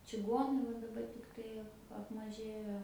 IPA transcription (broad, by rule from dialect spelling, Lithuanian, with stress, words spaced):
t͡ʃʲɪˈɡuɔnɐɪ ʋɐ dɐˈbɐr tʲɪkˈtɐɪ ɐp ɐpmɐˈʒʲeːjoː